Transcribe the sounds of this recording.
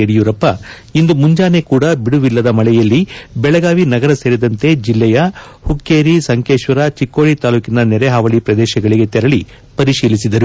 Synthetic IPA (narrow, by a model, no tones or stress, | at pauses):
eɽijuːɾɐpːɐ | ind̪umuɲd͡ʒaːne̞kuːɽɐbiɽuʋilːɐd̪ɐmɐlɛjɐlːibɛɭɐɡaːʋinɐɡɐɾɐse̞ːɾid̪ɐnt̪e̞d͡ʒilːɛjɐ | hukːeːɾisɐŋkeːʃʋɐɾɐt͡ʃikːo̞ːɭit̪aːluːkinɐnɛɾeɦaːʋɐɭipɾɐd̪ɛːʃɐɡɐɭiɡe̞t̪ɛɾɐɭi | pɐɾiʃiːlisid̪ɐɾu